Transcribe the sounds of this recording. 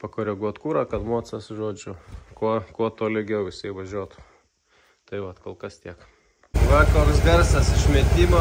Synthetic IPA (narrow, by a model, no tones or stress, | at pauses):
pɐkoːɾʲɛɡuɔt̪kuːɾɐːkɐt̪moɔt͡sɐsʒoːd͡ʒʲʊkuɔkuɔt̪oːlʲɪɡʲɛʊɪsɐɪʋɐʒʲuɔt̪ʊ | t̪ɐɪʋɐt̪koːlˠkɐst̪ʲiɛk | ʋɐkoːksʋʲɛɾsɐsɪʃʲmʲɛt̪ʲiːmo